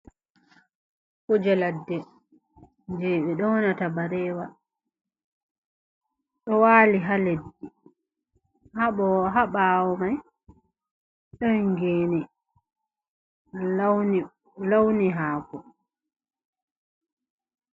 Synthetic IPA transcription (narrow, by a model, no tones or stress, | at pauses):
kud͡ʒɛladːɛ | nd͡ʒɛɓɛɗɔwɔnatabaɾɛːwa | ɗɔwaːliɦaledːi | haɓɔwɦaɓaːwɔmaj | ɗɔnŋɡeːni | lawniɦaːkɔ